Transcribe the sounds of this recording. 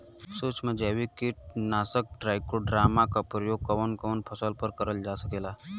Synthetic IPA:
soːt͡ʃmẽd͡ʒɛʋikiʈnaːsək̚ʈɾaːɪkoɖɾaːmakapɾəjoɡ̚kəʋənkəʋənpʰəsəlpəɾkəɾəld͡ʒaːsəkeːla

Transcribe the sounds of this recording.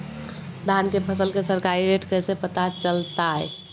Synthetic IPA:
d̪ʱankepʰəsəlkesəɾkaɾiɾeʈkəsepət̪at͡ʃəlt̪aɛ̰

